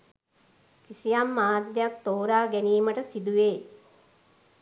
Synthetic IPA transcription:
kisijamːaːd̪jak̚t̪oːɾaːɡæniːməʈəsid̪uʋeː

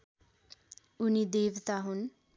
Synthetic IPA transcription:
unid̪eːʋt̪aɦun

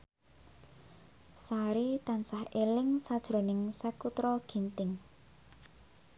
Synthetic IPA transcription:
saɾit̪ansahelɪŋsad̥ʒ̥ɾo̤nɪŋsəkut̪ɾɔɡ̥i̤nt̪ɪŋ

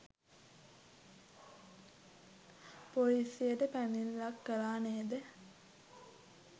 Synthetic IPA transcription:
polisijəʈəpæninlakːəlaːneːd̪ə

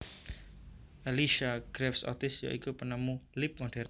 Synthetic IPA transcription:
ʔaliʃaɡ̥ɾɛfsɔ̰t̪ɪsja̰ʔikupənamulɪp̚mɔɖ̥ɛɾ

